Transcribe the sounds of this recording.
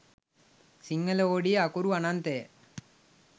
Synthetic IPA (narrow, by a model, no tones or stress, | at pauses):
siŋːɐlɐoːɽijɐkuɾuɐnaːnt̪eː